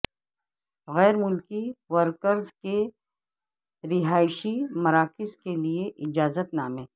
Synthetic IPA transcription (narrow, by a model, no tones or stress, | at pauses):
ɣɛːɾmʊlkiʋəɾkəɾzke | ɾɪɦaːɪʃimɐɾaːkɪzkelieʔɪd͡ʒaːzət̪naːmẽː